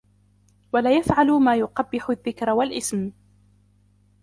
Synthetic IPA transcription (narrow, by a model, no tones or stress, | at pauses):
walaːjafʕalʊmaːjʊqɑbːɪħʊðːɪkɾwalʔɪsm